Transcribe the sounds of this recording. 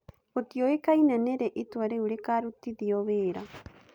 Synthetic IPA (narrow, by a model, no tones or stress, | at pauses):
otioekainaneɾeʔitwaɾeuɾekaɾutiðiɔβeːɾa